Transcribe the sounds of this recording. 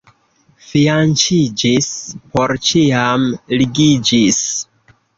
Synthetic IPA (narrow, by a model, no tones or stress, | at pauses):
fiant͡ʃid͡ʒispo̞ɾt͡ʃiamliɡid͡ʒis